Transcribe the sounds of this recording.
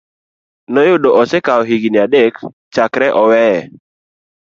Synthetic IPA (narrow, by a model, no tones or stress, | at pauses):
nɔjʊdoʔɔsekaɔɦiɡinɪadek | t͡ʃakɾɛʔɔwɛɛ